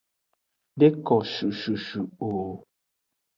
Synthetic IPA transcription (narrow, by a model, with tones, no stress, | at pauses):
de˦kɔ˨ʃu˨ʃu˨ʃu˨oː˨